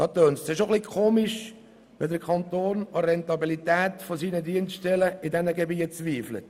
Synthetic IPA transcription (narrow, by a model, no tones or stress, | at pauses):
ɑt̪øːnssɪʃoχlikʰoːmɪʃ | ʋɛdəɾkʰɑnt̪oːnəɾɛnt̪ɑbilit̪ɛːtfosiːnədiənstɛləidɛnəɡebiːət͡sʋiːflə̰t